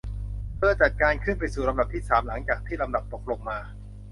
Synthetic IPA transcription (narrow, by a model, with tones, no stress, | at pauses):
pʰɯ˥˩ɐt͡ɕa˨˩t̪̚kaː˧nkʰɯ˥˩np̬a˧jsuː˨˩la˧md̪a˨˩p̚t̪ʰiː˥˩saː˩˦mla˩˦ŋt͡ɕaː˨˩k̚t̪ʰiː˥˩la˧md̪a˨˩p̚t̪o˨˩k̚lo˧ŋmaː˧